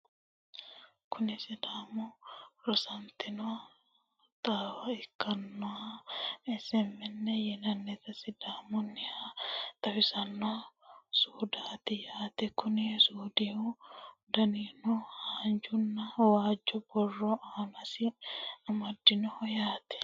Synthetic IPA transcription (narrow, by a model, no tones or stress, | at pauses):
kʰʊnɪsɪd̪aːmʊɾɔsɐnt̪ɪnɔa | t̪aːwɐɪkːɐnːɔaɛsɛmːɛnːɛjɛnɐnːɛt̪ɐsɪd̪aːmʊnːɪhat̪ɐwɪsɐnːɔasuːd̪aːt̪ɪjaːt̪ɛkʊnɪsuːd̪ɪud̪ɐninɔhaːnd͡ʒʊnːɐwaːd͡ʒːɔbɔrːɔʔaːnɐsɪɐmɐd̪ːɪnɔhɔjaːt̪ɛ̥